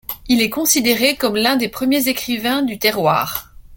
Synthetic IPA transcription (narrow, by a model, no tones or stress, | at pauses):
ilɛkɔ̃sid̪eʁekɔmlɛ̃d̪epχəmjezekχivɛ̃d̪yt̪ɛʁwa̰ːʁ